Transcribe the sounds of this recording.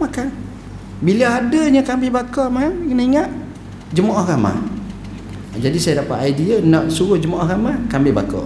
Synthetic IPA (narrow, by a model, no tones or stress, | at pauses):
makan | bilaadəɲəkambɪhbakɔmamkənaiŋaʔ | d͡ʒəmaʔɔhɣama̰ | d͡ʒadisajadapa̰ʔ̪ajdianɔʔsuɣəhd͡ʒəmaʔɔhɣamakambɪbakɔ̰ʔ